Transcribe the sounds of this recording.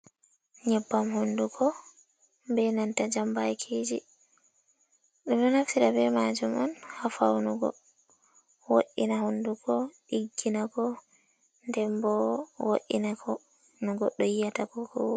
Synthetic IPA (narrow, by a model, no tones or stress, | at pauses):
ɲɛbːamhunduɡɔ | bɛnantad͡ʒambajkʰed͡ʒḭ | ɗɔnɔnaftiɾabɛmad͡ʒumɔ̰nhafa̰wnuɡɔ̰ | wo̰ʔːinahunduɡɔɗiɡːinakɔ | ndɛmbɔwo̰ʔḭnakʰɔ | nuɡɔɗɔjijatakɔkɔw